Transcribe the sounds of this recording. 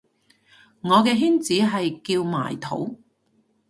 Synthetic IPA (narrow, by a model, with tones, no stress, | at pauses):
ŋɔː˨˧kɛː˧ɦiː˥nt͡siː˨˥ɦɐ˨jkiː˧wma̰ː˨˩jt̪ʰo̰˨˥w